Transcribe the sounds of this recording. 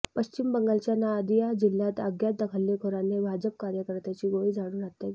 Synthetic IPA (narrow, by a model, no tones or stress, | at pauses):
pəɕt͡ɕimbəŋɡalt͡ɕjanaəd̪ijad͡ʑilːat̪aɡjat̪̚d̪əkʰəlːekʰoɾanebʱad͡ʑəp̚kaɾjəkəɾt̪at͡ɕiːɡoɭiːd͡zʱaɽ̃uːnat̪ːe